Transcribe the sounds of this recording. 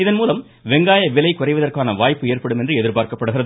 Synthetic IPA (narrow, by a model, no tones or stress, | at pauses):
ɪðɐnmuːlɐm | ʋɛŋɡaːjɐʋɪlɐɪkʊrɐɪʋɐðɐrkaːnɐʋaːjpːɯeːrpɐɽɯmɛndrɯɛðɪɾpaːɾkɐpːɐɽɯɣɪrɐð